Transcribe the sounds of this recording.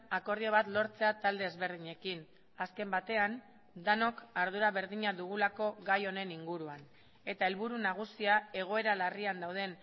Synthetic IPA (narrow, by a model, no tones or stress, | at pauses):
ako̞ɾðioβ̞at̪lo̞ɾt͡se̞at̪ald̪e̞ːzβe̞ɾð̞iɲe̞kin | aske̞mbat̪e̞an | d̪ano̞kaɾðuɾaβ̞e̞ɾðiɲaðuɣ̞ulako̞ɣajo̞ne̞niŋɡuɾuan | e̞t̪ae̞lβuɾunaɣ̞usiae̞ɣ̞o̞e̞ɾalariand̪awð̞e̞n